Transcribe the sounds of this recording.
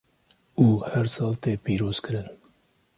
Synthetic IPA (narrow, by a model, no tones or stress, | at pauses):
uːhɛɾsɑːlt̪eːpiːɾoːz̥kɨɾɨn